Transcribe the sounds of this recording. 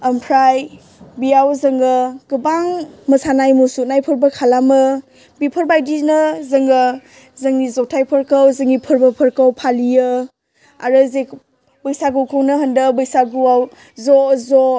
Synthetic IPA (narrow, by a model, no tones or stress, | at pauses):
ɐmpʰɾaj | bijawzɐŋɡɯɡ̥ɯbaŋmɐsanajmusuk̚najpʰəɾbəkʰalamɯ | bipʰəɾbajdinəzəŋɡə | zəŋnizɔtʰajpʰəɾkəwzəŋipʰəɾbəpʰəɾkawpʰalijɯ | aɾɯzek | bəjsaɡɯwkʰɯwnɯɦəndəbɯjsaɡuaw | zɔzɔ